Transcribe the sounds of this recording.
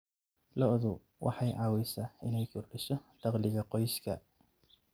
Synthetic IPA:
lɔʔðʊ | wʔɑ̰ħɑjʕɑːwɛjsɐːʔɪnɛjkʰʊrɖɪʃɔd̪̥ɑqlɪɣɐqɔjskʰɐ̰

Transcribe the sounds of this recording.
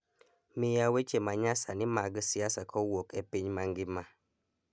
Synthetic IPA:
mɪjawet͡ʃemaɲasanɪmaɡsɪasakʰɔwokepiɲmaŋɡɪma

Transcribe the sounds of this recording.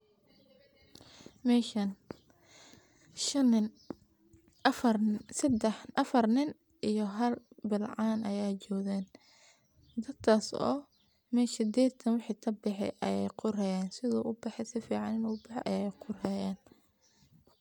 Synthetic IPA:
mɛːʃɐn | ʃɐn | fsɐd̪ɛħʔɐfɐrnɪn | ʔijɔɦɐlbɪlʕɑːnʔɐjaːt͡ʃɔːɣɛːn | d̪ɐd̪kʰaːsɔ̰ː | mɛːsɪd̪ɛːt̪ʰɐnwɪħiːt̪ʰɐbɪħɛ̰ʔɐjɛ̰jqʊɾɛjaːnsɪðɔːʔʊbɑħɛsɪfiːʕɑnɪnɔʊbɪħɛ̰ʔɐjɛjqʊrɛjaːn

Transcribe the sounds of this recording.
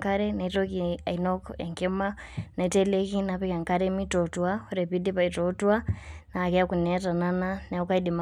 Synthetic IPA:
ŋkaɾɛnaitokia̰inɔkɛŋkimanaitɛlekinapɛkaŋkaɾɛmitɔtwahuɾɛpidipaitotuanaːkɛakunɛtanananaukaidima

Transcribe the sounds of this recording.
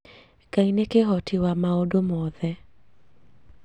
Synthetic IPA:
kainekeɦɔtʰɪwamaodomɔðɛ

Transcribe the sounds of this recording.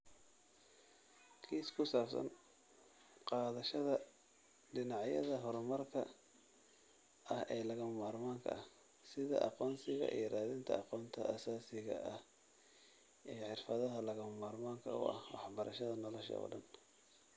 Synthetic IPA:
kʰiːskʰʊsaːfsɐ̰n | qɑːðɐʃɐðɐ | ɖɪnɑʕjɐ̰ðɐɦɔɾmɐrkʰɐ | ʔɐhɛːlɐɣɐmɐmaːrmaːŋkʰɐ̰ɐh | sɪðɐ̰ʔɑ̰qɔːnsɪɣɐ̰ʔḭjɞraːðɪnt̪ʰɐ̰ɑqɔːnt̪ʰɐʔɐsaːsɪɣɐ̰ʔɐh | ʔijħɪrfɐðɐɦɐlɐɣɐmɐmaːrmaːŋkʰɐ̰ʊ̰ʔɐ̰hwɑħbɐɾʔɐʃɐðɐnɔlɔʃɐ̰ɔ̰ːɖɐn

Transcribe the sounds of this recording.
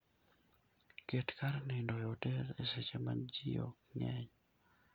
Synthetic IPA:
ketkaɾnɪndɔjɔtɛɾeset͡ʃema̰d͡ʒijo̰kɲɛɲ

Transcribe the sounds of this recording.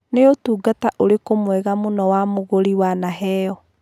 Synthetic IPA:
neotuːɡataʔoɾekomwɛɣamonɔwamoɣoɾiwanaɦɛjɔ

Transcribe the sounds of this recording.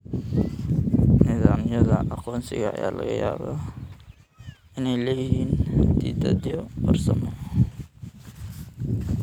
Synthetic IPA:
nɪðaːmjɐðɐʔɑqɔːnsɪ̰ɣɐːjaːlɐɣɐjaːβɐ | ʔɪnɛjlɐjɪɦiːnd̪iːd̪ɐd̪jɔbɐrsɐmɔ

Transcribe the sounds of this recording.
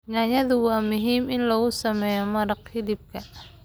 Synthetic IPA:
naːjɐðʊwɑːmʊɦiːmɪnlɔɣʊsɐmɛːjɔmɐɾɑqhɪd̪ɪb̚kʰɐ

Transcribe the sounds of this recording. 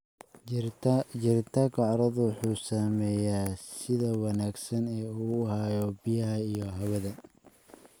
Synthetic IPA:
d͡ʒɪrt̪ʰaːkʰɐʕɑɾɐðʊwħuːsaːmɛːjaːsɪðɐwɑnaːɡsɐnɛːuːɦaːjɔbijɐɦhɐijɔɦɐwɐðɐ

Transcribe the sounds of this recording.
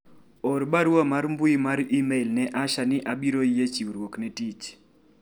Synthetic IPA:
ɔɾbaɾwamaɾmbʊimaɾimelnɛʔaʃanɪʔabiɾojet͡ʃiwɾwoknɛtit͡ʃ

